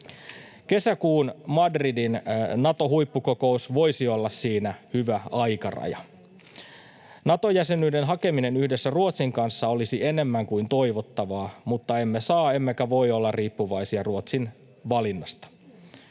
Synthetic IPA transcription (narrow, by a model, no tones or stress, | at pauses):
ke̞sækuːnmɑdridinnɑt̪o̞ɦujpːuko̞ko̞usʋo̞jsio̞lːɑssiːnæhyʋæɑjkɑ̰rɑ̰jɑ̰ | nɑt̪o̞jæsenyide̞nɦɑke̞mine̞nyhdesːæruot̪siŋkɑnsːɑo̞lisie̞ne̞mːæŋkuint̪o̞iʋot̪ːɑʋɑːmut̪ːɑe̞mːesɑːe̞mːekæʋo̞jo̞lːɑrriːpːuʋɑisiɑruot̪sin | ʋɑlinːɑst̪ɑ̥